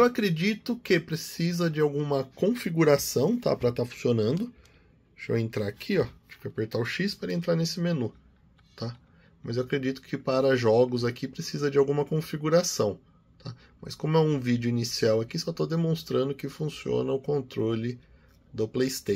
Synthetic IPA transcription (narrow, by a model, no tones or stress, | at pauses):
ewakɾed͡ʒit̪ʊkɪpɾesizɐd͡ʒɪawɡũmɐkõfiɡuɾasɐ̃w̃t̪a̰pɾɐt̪afũsionɐ̃nd̪ʊ | ʃo̰ẽnt̪ɾaakʰiɔt͡ʃi̥pʊapeɾt̪aʊʃispaɾɐẽnt̪ɾaɾnesɪmenu | t̪a | mɐzewakɾed͡ʒit̪ʊ̥kʰɪpaɾɐʒɔɡʊzakʰipɾesizɐd͡ʒɪawɡũmɐkõfiɡuɾasɐ̃w̃ | t̪ʰa | mɐskõmʊɛũvid͡ʒʊinisiawakisɔt̪od̪emõst̪ɾɐ̃nd̪ʊkɪfũsiõ̰nɐʊkõnt̪ɾolɪ | d̪ʊplejst̪e